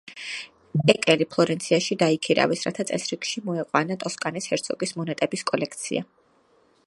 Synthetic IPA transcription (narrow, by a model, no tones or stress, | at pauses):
ɛkʼɛlipʰlˠɔɾɛnt̪sʰiaʃid̪aikʰiɾa̰vɛsɾa̰t̪ʰat̪sʼɛsɾikʃimɔɛqʼwanat̪ʼɔskʼanishɛɾt̪sʰɔkʼismɔnɛt̪ʼɛbiskʼɔlɛk̚ʰt̪sʰḭa̰